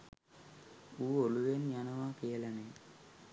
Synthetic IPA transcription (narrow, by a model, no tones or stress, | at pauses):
uːoɭuʋenɲanɐʋaːkeːlɐneː